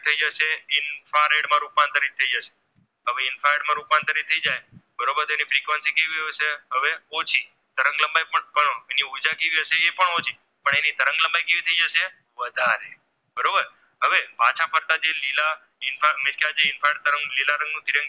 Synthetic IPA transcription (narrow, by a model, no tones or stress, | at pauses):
t̪ʰəid͡ʒəʃeɪnfaɾeɽmãɾupmant̪əɾit̪ʰəid͡ʒəʃe̥ | ɦəʋeɪnfaɾeɽmãɾuupant̪əɾit̪ʰəid͡ʒajbəɾobəɾt̪oenifɾikʋənsikeʋiɦojʃeɦəʋeot͡ʃʰi | d̪̥əɾə̃ŋɡləmbajpəɳpəɳeniud͡ʒakeʋiɦəʃeːpəɳot͡ʃʰi | pəɳenid̪əɾəŋɡləmbajkeʋit̪ʰəid͡ʒəʃe | ʋəd̪ʱaɾe | bəɾobəɾ | ɦəʋepat͡ʃʰapʰəɾt̪ad͡ʒelila | ɪnfamɪskjad͡ʒeɪnfaeɖ̚t̪əɾəŋɡlilaɾə̃ŋɡnũd̪ʱiɾə̃ŋ